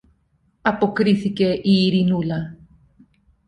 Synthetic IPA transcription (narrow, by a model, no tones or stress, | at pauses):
ɐpokɾiθikeʔiːɾinula